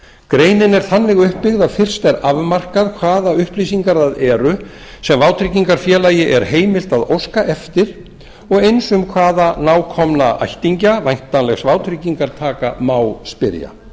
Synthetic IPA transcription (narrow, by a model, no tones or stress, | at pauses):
kɾeːjnɪnɛɾ̥θanːɪɣʏhpːɪɣðafɪr̥st̪ɛɾavmar̥kaðkʰvaːðaʏhplisiŋkaɾðaðɛːɾʏ | sɛmvawt̪ʰɾiciŋkaɾ̥fjɛːlajɪʔɛɾ̥ɦeːjmɪl̥t̪aðowskaʔɛft̪ɪɾ̥ | ɔɣejnsʏmkʰvaːðanaːwkʰɔmnaa̰jht̪iɲcavajŋ̥t̪anlɛɣsvawt̪ʰɾiciŋkaɾt̪ʰaːkamaːwspɪ̰ɾja̰